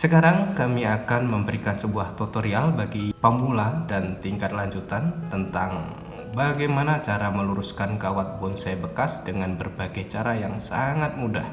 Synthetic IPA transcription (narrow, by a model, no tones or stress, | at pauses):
səkaɾaŋkamiakanməmbəɾikansəbuaht̪ot̪oɾialbaɡipamuladant̪iŋkat̪̚laɲd͡ʒut̪ant̪ənt̪aŋ | baɡajmanat͡ʃaɾaməluɾuskankawat̪̚bʊnsajbəkasdəŋanbərbaɡajt͡ʃaɾajaŋsa̰ŋat̪̚mudah